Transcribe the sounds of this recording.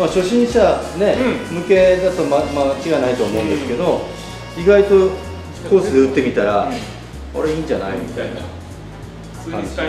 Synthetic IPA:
maɕo̞ɕĩɰ̃ɕane̞mɯ̟ke̞d̪at̪o̞mamat͡ɕiɡanait̪o̞ːmõ̞ːnd̪e̞sɨ̥ke̞d̪o̞ | iɡait̪o̞̥ | koːsɨd̪eɯt̪ːe̞mʲit̪aɾa | ko̰ɾeĩːɲd͡ʑana̰imʲit̪aina̰ | kã̰ɲd͡ʑi

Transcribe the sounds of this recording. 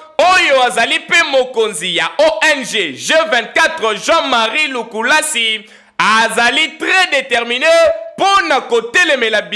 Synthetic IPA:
ojoazalipemokonzijaʔoʔɛnʒeʒəvɛ̃nt̚katʁəʒɑ̃maʁilukulasi | azalitʁɛdetɛʁmineponakotelemelab

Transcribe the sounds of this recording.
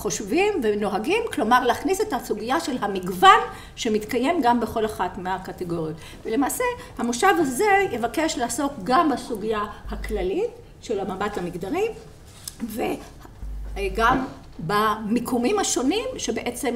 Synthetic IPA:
χo̞ʃvimve̞no̞ɦaɡimklo̞maʁlaːχnisetasuɡijaʃe̞lɦamiɡvan | ʃe̞mit̪kaje̞mɡambeχo̞laχatmeakateɡo̞ʁjot̪ | vele̞maːse | hamoʃavaze̞je̞vake̞ʃlaːso̞kɡambasuɡijahaklalit̚ | ʃe̞lamabathamiɡdaʁi | ve | ɡam | bamikʰumimhaʃo̞nimʃe̞beʔet͡se̞m

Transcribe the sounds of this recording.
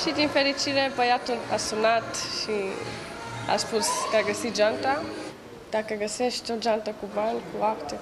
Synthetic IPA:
ʃid̪infe̞ɾit͡ʃiɾebəjat̪ua̰sunat̪ʃi | a̰spuskəaɡəsit̪̚d͡ʒant̪a | d̪̥akəɡəseʃt̪ʲod͡ʒant̪əkubanʲkuapt̪e

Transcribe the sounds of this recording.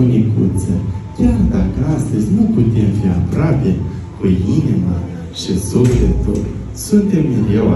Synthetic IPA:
unʲikṵt̪sʲḛkʰʲard̪akəast̪əzʲnuput̪e̞mfia̰pɾape | keinima | ʃisuflʲet̪ṵl | sunt̪e̞mniɾʲewa̰

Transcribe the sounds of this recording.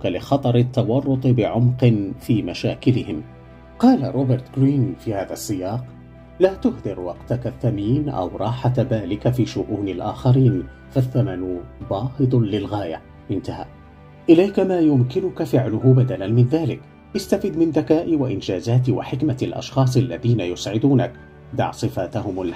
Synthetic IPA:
kalɪxɑt̪ˤɑɾˤɪt̪ːɑwɑrˤːʊt̪ˤɨbɪʕʊmqɨnfiːmaʃaːkɪlɪhɪm | qɑːlaɾˤoːbɪɾt̪ɡɾiːnfiːhaːðasˤːɪjɑːq | laːt̪ʊhd̪ɪɾwɑqt̪akaθːamiːnʔa̰wɾˤɑːħaðaːlɪkafiːʃʊʔuːnalʔaːxɑɾiːn | faθːamanʊbɑːhɨd̪ˤlɪlɣaːja | ʔɪnt̪ahaː | ʔɪlajkamaːjʊmkɪnʊkafɪʕlʊɦʊbad̪alanmɪnðaːlɪk | ʔɪst̪afiːd̪mɪnd̪akaːʔiwaʔɪnd͡ʒaːzaːt̪̬wa̰ħɪkmaalʔɑ̰ʃxɑːsˤʔalːaðiːnajʊsʕɪd̪uːnak̚ | d̪ɑ̰ʕsˤɨfaːt̪ahʊmal

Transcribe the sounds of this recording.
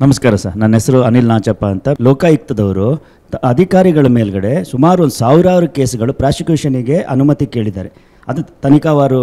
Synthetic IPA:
nɐmɐskaːɾɐsɐ̰ɾnɐnːɦesɐɾuɐnilnaːt͡ʃɐpːaːnt̪ɐlɔːkajik̚t̪ɐd̪ɐʋɐɾu | ɐd̪ʱikaːɾiɡɐɭɐme̞ːlɡɐɽe̞sumaːɾuond̪u̥saːʋiɾaːʋɐɾuke̞ːsɡɐɭupɾaːsikjuːʂɐniɡe̞ʔɐ̰numɐt̪ike̞ːɭid̪aːɾe̞ | ɐd̪t̪ɐnikaʋaːɾu

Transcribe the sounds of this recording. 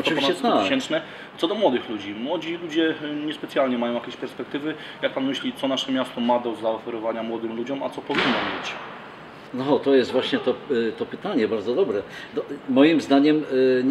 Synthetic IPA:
ɔtʈ͡ʂ̪ɔɨvit͡ɕɛt̪aɕɛnt͡ʂnɛ | t̪sɔd̪ɔmwɔd̪ɘxlud͡ʑimwɔd͡ʑilud͡ʑɛɲɛspɛt̪sjalɲɛmajɔ̃wjakʲeɛɕpɛɾspɛk̚t̪ɘvɘ | jak̚panmɘɕlʲit̪sɔnaʂɛmʲjast̪ɔmad̪ɔzaɔfɛɾɔvaɲamwɔd̪ɘmlud͡ʑɔma̰t̪sɔpɔvʲinːɔmbɘt͡ɕ | nɔxɔt̪ɔjɛst̪vwaɕɲɛt̪ɔt̪ɔpɘt̪aɲɛbaɾd̪zɔd̪ɔbɾɛ | nɔmɔjimzd̪aɲɛmɲ

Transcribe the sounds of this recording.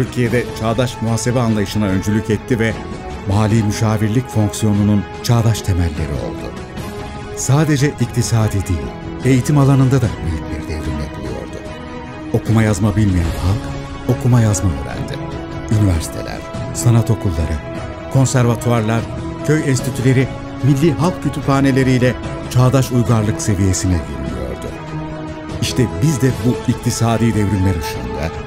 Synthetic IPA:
tt̪ʰyɾcʰijed̪ɛt͡ʃʰaːd̪aʃmuɦase̞bɛanlˠajɯʃɯnaø̞nd͡ʒylʲycɛt̪ʰːivɛ | maːlʲiːmyʃaːviɾlʲicfo̞ŋksijo̞nunun | t͡ʃʰaːd̪aʃt̪ʰe̞mælʲːe̞ɾḭo̞̰lˠd̪ṵ | saːd̪e̞d͡ʒɛʔic̚t̪ʰisaːd̪id̪ilʲ | e̞jit̪ʰimalˠanɯnd̪ad̪amelʲit̪lʲeɾid̪ed̪iɾinɛkʰulˠijo̞̰ɾd̪u | o̞kʰumajazmabilʲmijænhalˠk | o̞kʰumajazmamɯbæ̰nd̪ɪ̰ | ynivæɾsi̥t̪ʰelʲæ̰ɾ̥sanat̪ʰo̞kʰulˠːa̰ɾɯ | kʰo̞nsæɾvat̪ʰuaɾlˠaɾ̥ | cʰø̞jɛnst̪ʰit̪ʰylʲe̞ɾi | milʲːiɦalˠk̚cʰø̞t̪ʰypʰaːne̞lʲe̞ɾijlʲɛ | t͡ʃʰaːd̪aʃujɡaɾlˠɯkse̞vije̞sinɛɡiɾynʲḭjo̞̰ɾd̪ʊ̰ | iʃt̪ʰɛbizd̪ɛbuict̪ʰisaːd̪iːd̪evɾimlʲæɾuʃunṵnd̪a̰

